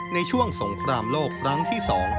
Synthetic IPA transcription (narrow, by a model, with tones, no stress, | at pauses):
na˧jt͡ɕʰu˥˩əŋso˩˦ŋkʰɾaː˧mloː˥˩kʰɾa˦˥ŋt̪ʰiː˥˩sɔː˩˦ŋ